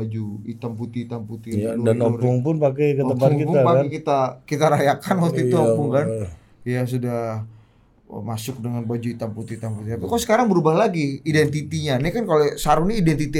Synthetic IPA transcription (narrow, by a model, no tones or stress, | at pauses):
ad͡ʒuit̪amput̪iit̪amput̪ialdanɔpʊŋpʊnpakɛjkəəmpaŋkipʊapaekit̪akit̪aɾajakanat̪it̪uɔpʊŋkan | jas̬udah | ə̰masʊk̚dəŋanbad͡ʒuit̪amput̪it̪amput̪it̪apikasə̥kaɾaŋbəɾubahlaɡiidɛnt̪it̪iɲanikankalosaɾuniidɛnt̪it̪i